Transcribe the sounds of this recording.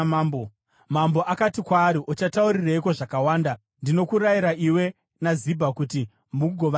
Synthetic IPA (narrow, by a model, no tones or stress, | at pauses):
bo | mambo̞ʔakatikwaːɾiʔot͡ʃatauɾiraiko̞ʐakawaːnda | ndino̞kuɾaiɾaʔiwe̞ | nazibʱakuti | muɡʱoʋa